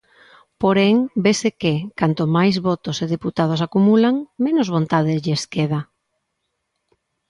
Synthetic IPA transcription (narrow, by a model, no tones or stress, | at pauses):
poɾeŋbesekekant̪omajzβɔt̪oseðeput̪að̞os̬akumulaŋmenozβ̞ont̪að̞ɪzʎeeskeð̞a